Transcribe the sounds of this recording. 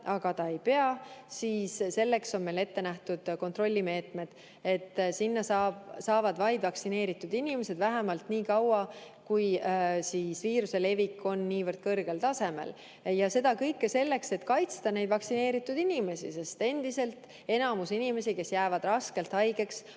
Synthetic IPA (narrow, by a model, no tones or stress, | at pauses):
ʔɑɡ̥ɑt̪ɑe̞jpe̞ɑsiːsse̞lːe̞kso̞nme̞jle̞t̪ːe̞næht̪ud̪̥ko̞nt̪ro̞lʲːime̞ːt̪ˑme̞d̪̥ | e̞t̪ːˑsinːɑsɑbsɑːvɑd̪vɑjd̪vɑksine̞ːɾit̪ːˑud̪̥inime̞se̞d̪væɦemɑlt̪niːkɑwɑ | kujsiːsviːɾuse̞le̞vikːˑo̞nːiːvɤrd̪̥̚kɤrɡ̥e̞lt̪ɑse̞mḛl | jɑse̞d̪̥ɑkɤjkːese̞lːe̞kse̞t̪kɑjt̪st̪ɑne̞jd̪̥vɑksine̞ːɾit̪ːˑud̪inime̞sḭse̞st̪e̞nd̪̥ise̞lt̪ | e̞nɑmusinime̞sike̞sjæːvɑd̪̥rɑske̞lt̪hɑjɡ̥e̞ks